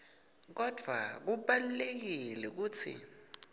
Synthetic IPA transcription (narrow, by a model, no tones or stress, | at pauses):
k̬ɔd̥ʱwa̰k̬uɓalulek̬ilɛk̬uːt͡sʰḭ